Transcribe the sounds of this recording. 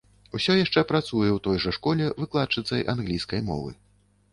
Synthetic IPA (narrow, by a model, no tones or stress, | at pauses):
usʲɔjaʂt͡ʂɛpɾat̪sujɛwt̪ɔjʐɐʂkɔlʲɛvɨklˠat̪̚t͡ʂɨt̪sɐjʔa̰nɣlʲijskɐjmɔ̰vɨ̰